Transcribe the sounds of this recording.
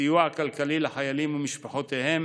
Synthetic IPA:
ijuakalkalilaħajalimumiʃpaħot̪ehem

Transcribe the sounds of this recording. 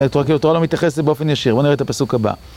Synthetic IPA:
t̪oakiluatoalomit̪jaχesebeo̞fenjaʃiʁbo̞niʁeet̪apasukaba̰

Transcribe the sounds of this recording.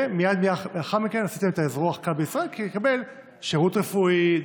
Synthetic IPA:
mijad̪miaχaχaʁmikenasit̪emet̪aezʁoaχkavbeisʁaelkijekabe̞l | ʃeʁut̪ʁefui

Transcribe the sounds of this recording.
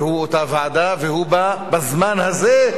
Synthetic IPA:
huot̪avaʕad̪avehubabazmanhaze

